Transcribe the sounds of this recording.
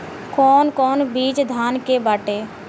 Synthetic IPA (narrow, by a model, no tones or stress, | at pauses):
kɔːnkɔːnbiːd͡ʒd̪ʱaːnkebaːʈeː